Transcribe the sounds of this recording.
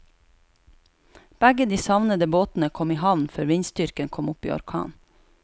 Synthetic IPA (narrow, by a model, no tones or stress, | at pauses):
b̥æɡəd̪iːsɑʋnəd̪əboːt̪n̩əkʰɔmiːhɑʋnføːɾʋiɲst̪ʏɾkənkʰɔmʊpḭːɔ̰ɾkʰɑ̰ːn